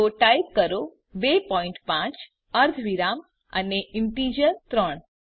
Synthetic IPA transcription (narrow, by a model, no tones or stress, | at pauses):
oʈajp̚kəɾo | bepɔiɳʈpãt͡ʃ | əɾd̪ʱʋiɾam | ə̰neɪɳʈ̪id͡ʒənt̪ɾəɳ